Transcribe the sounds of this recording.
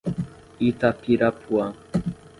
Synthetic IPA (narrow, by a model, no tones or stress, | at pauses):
it̪apiɾapʰwa